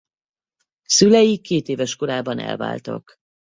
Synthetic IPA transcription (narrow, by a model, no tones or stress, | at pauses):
sylɛjikːeːt̪eːvɛʃko̞ɾaːbɒnɛ̰lva̰ːlt̪ɒ̰k